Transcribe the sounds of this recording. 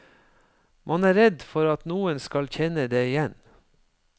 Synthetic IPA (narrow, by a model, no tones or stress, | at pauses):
mʔɑnæːɾɛd̪fɔɾɑt̪nuːənskɑlçɛnəd̪eːɪjɛn